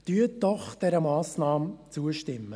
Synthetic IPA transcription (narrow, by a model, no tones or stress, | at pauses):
d̪̥yətdɔχd̪̥ɛɾəmɑːsnɑːmt͡suəʃtɪmːə